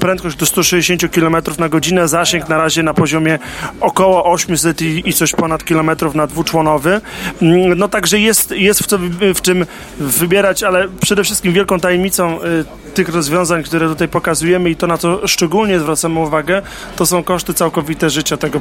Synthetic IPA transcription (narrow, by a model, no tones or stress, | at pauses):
pɾɛnt̪kɔɕd͡ʑd̪ɔst̪uʂɛd͡ʑeɕeɲt͡ɕukʲilɔmɛt̪ɾufnaɡɔd͡ʑinɛzaɕɛŋknaɾaʑɛnapɔʑɔmʲjɛ | ɔkɔwɔʔɔɕmʲjus̬ɛt̪iit̪sɔɕpɔnat̪kʲilɔmɛt̪ɾufnad̪vut͡ʂwɔnɔvɘ | nɔt̪aɡʐɛjɛst̪jɛst̪ft̪ɔvft͡ʂɘm | vɘbʲjɛɾat͡ɕalɛpʂɛd̪ɛfʂɘst̪kʲimvjɛlkɔ̃w̃t̪ajɛmɲit̪sɔ̃w̃ | t̪ɘxɾɔzvʲjɔ̃w̃zaɲk̚t̪uɾɛt̪ut̪ajpɔkazujɛmɘit̪ɔnat̪sɔʂt͡ʂɛɡulɲɛzvɾat̪samɘuvaɡɛ | t̪ɔsɔ̃w̃kɔʂt̪ɘt̪sawkɔvʲit̪ɛʐɘt͡ɕat̪ɛɡɔ